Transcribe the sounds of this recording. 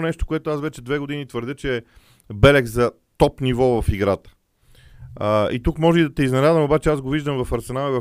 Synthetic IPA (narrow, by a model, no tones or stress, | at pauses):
nɛʃt̪o̥koɛt̪ʊasvɛt͡ʃɛd̪vɛɡod̪init̪vəɾd̪jɤt͡ʃɛː | bɛlɛkzɐ | t̪ɔpnivɔvɐfiɡɾat̪ə̥ | it̪ukmɔʒɛid̪ɐt̪ɛiznɛnad̪vɐmobat͡ʃɛazɡoviʒd̪əmvɐfɐɾsɛnalˠəvɐ